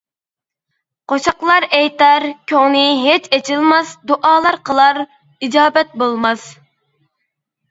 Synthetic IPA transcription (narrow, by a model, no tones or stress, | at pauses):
qoʃɑqlˠɑɾɛjt̪ɑɾkʲʰøŋnɪɦet͡ʃɛt͡ʃʰɪlˠmɑsd̪oʔɑːlˠɑɾqəlˠɑɾ | id͡ʒɑːbɛt̪̚bolˠmɑs